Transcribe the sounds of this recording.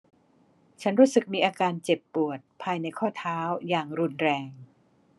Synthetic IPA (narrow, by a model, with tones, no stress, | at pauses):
t͡ɕʰa˦˥nɾuː˦˥sɯ˨˩k̚miː˧ʔaː˧kaː˧nt͡ɕe˨˩pːu˨˩ət̪̚pʰaː˧jna˧jkʰɔː˥˩t̪ʰaː˦˥wjaː˨˩ŋɾu˧nɾɛː˧ŋ